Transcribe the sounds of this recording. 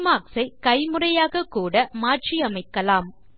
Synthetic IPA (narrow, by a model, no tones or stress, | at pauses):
maːksɐɪkɐɪmɯrɐjaːɣɐkːuːɽɐmaːʈʈt͡ʃiɐmɐɪkːɐlaːm